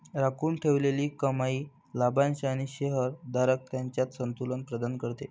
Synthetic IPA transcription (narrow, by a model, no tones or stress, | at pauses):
ɾakuːɳʈʰeʋleliːkəmaiː | labãnɕaɽ̃iɕeɦəɾd̪aɾək̚t̪jaɲt͡ɕjat̪sənt̪ulənpɾəd̪ankəɾt̪e